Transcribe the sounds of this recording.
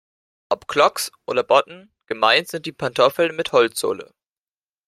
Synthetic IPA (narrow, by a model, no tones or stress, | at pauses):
ʔɔpkʰlɔksʔoːdɐbɔtn̩ | ɡ̥əmaɪntz̥ɪnt̚d̥iːpʰantʰɔfl̩nmɪthɔlt͡sz̥o̰ːlə̰